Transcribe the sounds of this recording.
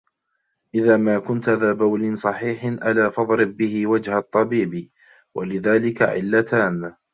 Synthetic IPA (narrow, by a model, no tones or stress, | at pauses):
ʔɪðaːmaːkʊnt̪ʔaðaːbawlɪnsˤɑħiːħɪnʔalaːfɑðˤɾɪb̚ːɪhɪwad͡ʒhat̪ˤːɑbiːbi | wʔa̰lɪðaːlɪka̰ʕɪ̰lːat̪aːn